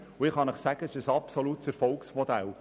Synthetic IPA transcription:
uɪχɑnəχsæɡ̥əɪʃəsɑpsolut̪səɾfɔlksmɔd̪æl

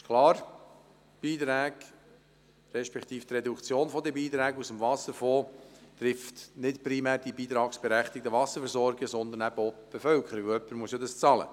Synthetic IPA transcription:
kʰlɑːɾ | b̥iːt̪ɾæːɡ | ɾɛʃpɛkt̪iːft̪ɾɛd̪ukt͡sjoːnfɔd̪əbiːt̪ɾæːɡusəmvɑsəɾfoːt̪ɾɪft̪nɪtpɾimæːɾd̥ibiːt̪ɾɑːksb̥ɛɾæχt̪ɪk̚təʋɑsəɾfɛɾsɔɾɡəsɔnd̪ənæb̥əɔb̥efœlkʰχəɾəʋəœpːəɾmuəsjod̪ɑst͡sɑlə̰

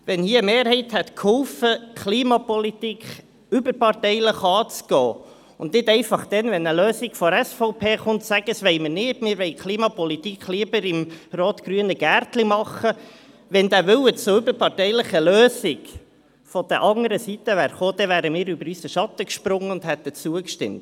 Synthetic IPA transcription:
ʋɛnhiːəəmeːɾhɛɪt̪hɛt̪kʰhʊwfəkʰliːmɑpɔlitikʰ | ʏbəɾpɑrtɛɪləχɑːt͡sɡ̥ɔː | ʊ̰nnɪdɛɪfɑχd̥ɛnʋɛnəløːsɪɡ̥fɔɾæsfɔʊpʰeːχʊntsæɡ̥əsʋɛɪməɾnɪtmɪːɾʋɛɪkʰliːmɑpɔlit̪ikχliːəbəɾɪmroːt̪kɾyənəɡ̥æːrtlimɑχə | ʋɛnd̪æːʋʏwət͡sʊʏbəɾpɑrtɛɪləχəløːsiɡ | fɔd̥əʔɑŋəɾəsit̪əʋæːɾχoːd̥̪ɛʋæːɾəmɪːɾybəɾysəʃɑt̪əkʃpɾʊŋːəʊnd̥̪hɛt̪ːət͡suəkʃtɪ̰mt

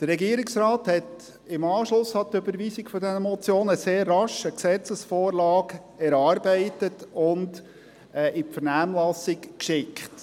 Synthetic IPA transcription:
d̥ərɾɛɡiəɾɪksɾɑːthɛt | ɪmɑːʃlʊshɑt̪øbəɾʋiːsɪɡ̥fɔdɛnəmɔt͡sjoːnəseːrːɑʃəksɛt͡səsfoːɾlɑːɡ | ɛɾɑːɾbɛɪtətʊnd | ɛʔɪfəɾnæːmlɑsɪkkʃɪkχt

